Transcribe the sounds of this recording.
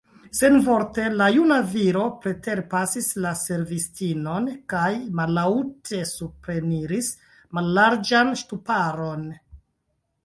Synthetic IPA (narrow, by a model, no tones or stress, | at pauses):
se̞nvo̞ɾte̞lajunaviɾo̞pɾe̞te̞ɾpasislase̞ɾvistino̞nkajmalautʰe̞supɾe̞niɾis | malːaɾd͡ʒanʃtupaɾo̞n